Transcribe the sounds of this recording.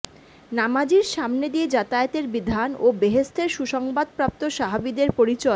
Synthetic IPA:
namad͡ʑiɾʃamned̪ied͡ʑat̪aet̪eɾbid̪ʱanobeɦest̪ʰeɾʃuʃɔŋbad̪̚pɾap̚t̪oʃaɦabid̪eɾpoɾit͡ɕɔ

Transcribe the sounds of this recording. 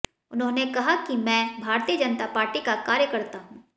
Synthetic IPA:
ʊnɦõːnekɐɦakimɛ̃ːbʱaːɾt̪iːəd͡ʒɐnt̪apaːɾʈikakaːɾjəkɐɾt̪aɦũː

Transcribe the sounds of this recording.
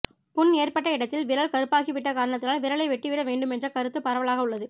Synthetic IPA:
pʊneːrpɐʈːɐɪɽɐt̪ːɪlʋɪɾɐɭkɐɾɯpːaːɣiʋɪʈːɐkaːɾɐɳɐt̪̬ːɪlaːlʋɪɾɐɭɐɪʋɛʈːiʋɪɽɐʋeːɳɖɯmɛndrɐkɐɾɯt̪ːɯpɐɾɐʋɐɭaːɣɐʊɭːɐðɯ

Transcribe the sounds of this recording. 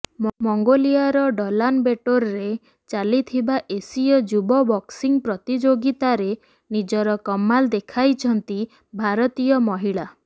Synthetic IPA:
mmɔŋɡoliaɾɔɖɔlanbeʈoɾɾe | t͡ʃalit̪ʰibaʔesijɔd͡ʒubɔbɔksiŋpɾɔt̪id͡ʒoɡit̪aɾe | nid͡ʒɔɾɔkɔmːald̪ekʰajt͡ʃʰɔnt̪i | bʱaɾɔt̪ijɔmɔɦiɭa

